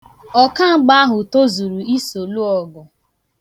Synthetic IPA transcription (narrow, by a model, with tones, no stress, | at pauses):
ɔ˦ka˦ŋ͡m̩˦ɡ͡ba˦a˦ɦʊ˨to˦zu˨ɾu˨i˦so˨lu˦ɔ˨ɡʊ˨